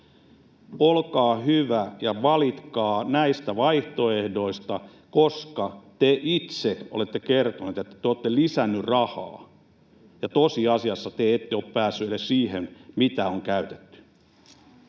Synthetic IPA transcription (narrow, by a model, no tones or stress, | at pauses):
olkɑːhyʋæjɑʋɑlit̪kɑːnæist̪æʋɑiht̪oehdo̞ist̪ɑ | koskɑt̪eʔit̪seo̰let̪ːekert̪onut̪et̪ːæ̥t̪eoːt̪ːelisænːyrrɑhɑ̰ː | jɑt̪osiɑsiɑsːɑt̪eet̪ːeoppæːsːyelessiːhenmit̪æoŋkæyt̪e̥t̪ːy̥